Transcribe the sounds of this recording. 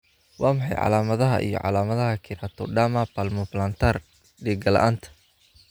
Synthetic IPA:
wɑːmɑħɑjʕɑ̰laːmɐðɐɦɐ̰ʔḭjɞ̰ʕɑ̰laːmɐðɐɦɐkʰɪɾat̪ʰɔɖamapalmʊplant̪ʰar | ɖiːɡɐlɐ̰ʔaːnt̪ʰɐ̥

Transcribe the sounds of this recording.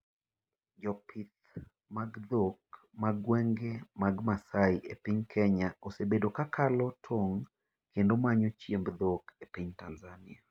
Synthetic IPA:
d͡ʒɔpʰit̪ | maɡd̪ok | maɡwɛŋɡemaɡmasaiepiɲkʰɛɲaosebedokakʰalɔtʰoŋ | kendomaɲɔt͡ʃjembd̪okepiɲtanzanɪa

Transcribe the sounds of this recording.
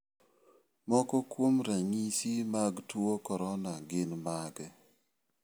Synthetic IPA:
mɔkɔkwomɾaŋisimaɡtuokɔɾɔnaɡɪnmaɡɛ

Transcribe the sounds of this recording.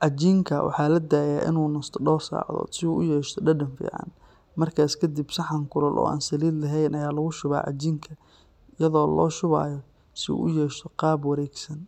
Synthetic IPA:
ʕɑt͡ʃiːŋkʰɐwʔɑ̰ħɑːlɐd̪aːjaːʔɪ̰nuːnɐst̪ʰɔɖɔːrsa̰ːʕðɔ̰ːd̪sɪuːʔʊjɛːʃt̪ʰɔɖɐɖɐnfḭːʕɑ̰n | mɐrkʰaːskʰɐd̪ibsɑħɑŋkʰʊɾɐlʔɔ̰ːʔa̰ːnsɐliːd̪lɐɦɛjnɐjaːlɐɣʊʃʊβa̰ːʕɑ̰t͡ʃiːŋkʰɐ | ɪjɐðɔːlɔ̰ːʃʊβa̰ːjɔ | sɪṵːʔʊjɛːʃt̪ʰɔqɑːbwɐɾɛːɡsɐn

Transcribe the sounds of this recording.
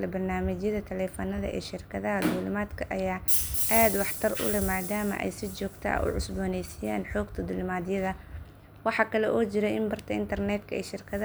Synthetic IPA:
lɐbɐrnaːmɪt͡ʃjɐðɐt̪ʰɛlɛːfɐnɐðɐ̰ʔɛ̰ːʃɪrkʰɐðɐɦɐd̪ʊlʊmaːd̪kʰɐʔɐjaːʔaːd̪wɑħt̪ʰɐrʔʊ̰lɛmaːd̪aːmɐ̰ʔɛ̰jsɪt͡ʃɔːɡt̪ʰɐ̰ʔʊ̰ʕʊ̰sbɔːnɛjsɪja̰ːnħɔːɡt̪ʰɐd̪ʊlʊmaːd̪ɪjɐðɐ | wɑħɑkʰɐlɛʔɔːt͡ʃɪɾɛʔɪmbɐrt̪ʰɐɪnt̪ʰɐrnɛd̪kʰɐɛ̰ːʃɪrkʰɐðɐ

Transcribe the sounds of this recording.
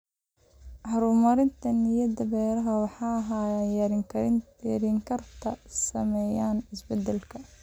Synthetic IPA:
ʕɑɾuːmɐɾɪnt̪ʰɐnɪjɐd̪ɐbɛːɾɐɦɐwɑħɑːɦajɾ | ɾiːŋkʰɐrt̪ʰɐsɐmɛːjaːnɪsbɛd̪ɛlkʰɐ

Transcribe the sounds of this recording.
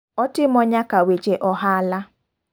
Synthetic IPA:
ɔtɪm̩ɔɲakawed͡ʒeʔɔɦaala

